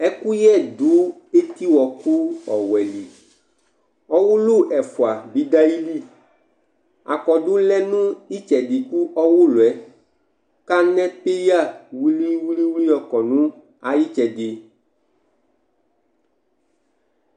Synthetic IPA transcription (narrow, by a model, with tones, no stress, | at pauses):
ɛ˦ku˦jɛ˦˨du˨˦ | e˦t̪i˦wɔ˨ku˦ɔ˨wɛ˨li˨ | ɔ˦wu˦lu˦ʔɛ˨fu˨a˨bi˨da˦ji˦li˦ | a̰˨kɔ˨ɖʊ˦lɛ˦nũ˦i˦t͡ʃɛ˨di˨ku˦ʔɔ˦wʊ˦lo˨ɛ˨˦ | ka˦nɛ̃˦pe˦ja˦˨wu˦li˦wu˦li˦wu˦li˦ɔ˨kɔ˨nũ˦ | a˨ji˦t͡ʃɛ˨de˨